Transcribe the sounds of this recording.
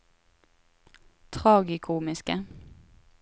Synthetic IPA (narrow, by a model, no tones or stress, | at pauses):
t̪ʰʁɑːɡɪkʰuːmɪskə